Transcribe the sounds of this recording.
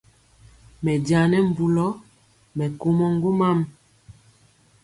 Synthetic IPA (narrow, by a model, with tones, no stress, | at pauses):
mɛ˨da˨nɛ˦m̩˨bu˨lɔ˦ | mɛ˨ko˦mɔ˦ŋ˦ɡu˦ma˦˨m